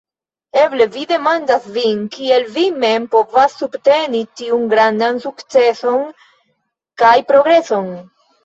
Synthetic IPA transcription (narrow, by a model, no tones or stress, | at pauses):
e̞ble̞vide̞mandasvinkie̞lvime̞mpo̞vasːubte̞nitiunɡɾandansukt͡se̞so̞n | kajpɾo̞ɡɾe̞so̞n